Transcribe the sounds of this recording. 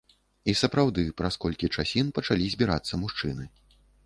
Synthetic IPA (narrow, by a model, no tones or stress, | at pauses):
isɐpɾawd̪ɨpɾaskɔlʲkʲit͡ʂasʲinpɐt͡ʂalʲizʲbʲiɾa̰t̪sːɐmuʂt͡ʂɨnɨ